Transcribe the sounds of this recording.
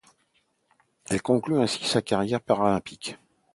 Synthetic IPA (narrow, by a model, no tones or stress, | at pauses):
ɛlkɔ̃klyɛ̃si̥sakaʁjɛʁpaʁalɛ̃pik